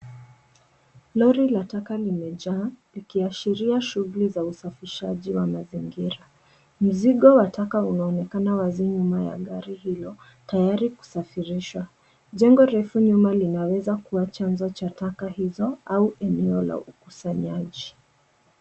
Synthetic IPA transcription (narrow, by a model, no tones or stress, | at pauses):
lɔɾilatakalimɛʄalikiaʃiɾiaʃuɣulizausafiʃaʄiwamaziŋɡiɾa | m̩ziɠɔwatakaunaɔnɛkanawaziɲumaja̰ɠaɾihilɔ | tajaɾiku̥safiɾiʃwa | ʄɛŋɡɔɾɛfuɲumalinawɛzakuwat͡ʃanzɔt͡ʃatakahizɔauʔɛnɛɔla̰ʔuku̥saɲaʄi